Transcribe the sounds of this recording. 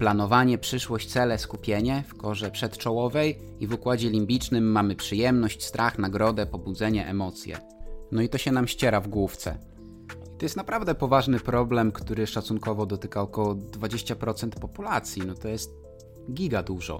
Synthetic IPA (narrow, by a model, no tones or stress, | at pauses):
planɔvaɲɛpʂɘʂwɔɕt͡ɕt̪sɛlɛskupʲjeɲɛfkɔʐɛpʂɛt̪t͡ʂɔwɔvɛj | ivukwad͡ʑɛlʲimbʲit͡ʂnɘmːamɘpʂɘjɛmnɔɕt͡ɕst̪ɾʔaxnaɡɾɔd̪ɛpɔbud̪zɛɲɛʔɛmɔt̪sʲjɛ̰ | nɔit̪ɔɕɛnamɕt͡ɕɛɾavɡwuft̪sɛ̰ | it̪ɔjɛst̪napɾavd̪ɛpɔvaʐnɘpɾɔblɛmkt̪uɾɘʂat̪sunkɔvɔd̪ɔt̪ɘkaɔkɔwɔd̪vad͡ʑeɕt͡ɕapɾɔt̪sɛnt̪pɔpulat̪sʲjinɔt̪ɔjɛst̪̚ | ɡʲiɡad̪uʐɔ̰